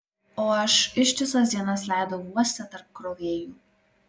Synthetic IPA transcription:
oːɐʃɪʃʲt̪ʲɪsɐs̬d̪ʲiɛnɐslʲæˑɪd̪oʋuɔsʲt̪ʲɛt̪ɐɾp̚kɾoːʋʲeːjuː

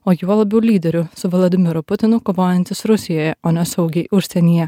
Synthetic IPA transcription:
oːjuɔlˠɐbʲɛʊlʲiːd̪ʲɛɾʲʊsʊʋɔlˠɐd̪ʲɪmʲɪɾʊpʊt̪ʲɪnʊkoːʋoːjɛnʲt̪ʲɪsɾʊsʲɪjoːjɛʔoːnʲɛsɐʊɡʲɛɪʔʊʃʲsʲɛnʲiːjɛ

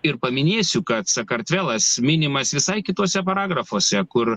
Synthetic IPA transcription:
ɪɾpɐmʲɪnʲeːsʲʊkɐt̪sɐkɐɾʲt̪ʲʋʲɛːlˠɐsmʲɪnʲɪmɐsʋʲɪsɐɪkʲɪt̪oːsʲɛpɐɾɑːɡɾɐfoːsʲɛkʊɾ

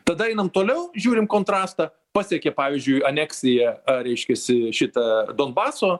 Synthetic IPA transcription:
t̪ɐd̪ɐɛɪnɐmt̪oːlʲɛʊʒʲuːɾʲɪmkoːnt̪ɾɑːst̪ɐː | pɑːsʲɛkʲɛpɑːʋʲizʲd͡ʒʲʊɪɐnʲæːksʲɪjɛɐɾʲɛɪʃʲkʲɛsʲɪʃʲɪt̪ɐd̪oːnbɑːsoː

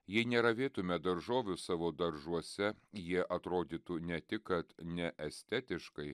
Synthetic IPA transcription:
jɛɪnʲɛɾɐʋʲeːt̪ʊmʲɛd̪ɐɾʒoːʋʲʊsɑːʋoːd̪ɐɾʒuɔsʲɛjiɛʔɐt̪ɾoːd̪ʲiːt̪unʲɛt̪ʲɪkːɐt̪nʲɛʔɛsʲt̪ʲɛt̪ʲɪʃkɐɪ

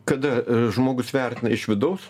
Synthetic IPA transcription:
kɐd̪ɐʒmoːɡʊsʋʲɛrʲt̪ʲɪnɐɪʃʋʲɪd̪ɐʊs

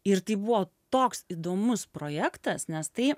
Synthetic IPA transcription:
ɪɾt̪ɐɪbuʋoː | t̪oːksid̪oːmʊspɾoːjæːkt̪ɐsnʲɛst̪ɐɪ

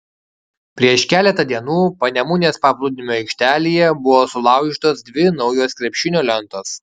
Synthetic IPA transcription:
pʲɾʲiɛʃkʲæːlʲɛt̪ɐd̪ʲiɛnuːpɐnʲɛmʊnʲeːspɑːplˠʊd̪ʲɪnʲmʲoːɛɪkʃʲt̪ʲæːlʲijɛbʊʋoːsʊlˠɑˑʊɡʲit̪oːsd̪ʲʋʲɪnɒʊjoːskɾʲɛpʲʃʲɪnʲoːlʲɛnˑt̪oːs

